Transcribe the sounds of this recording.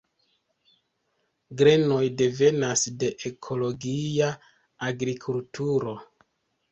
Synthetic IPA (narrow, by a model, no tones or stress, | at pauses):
ɡɾe̞no̞jde̞ve̞nasde̞ʔekʰo̞lo̞ɡia | aɡɾikʰultuɾo̞